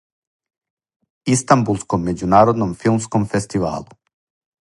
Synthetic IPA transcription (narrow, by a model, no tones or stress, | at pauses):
ist̪ambulˠskomːed͡ʑunaːɾod̪nomfilˠmskomfest̪iʋa̰ːlˠu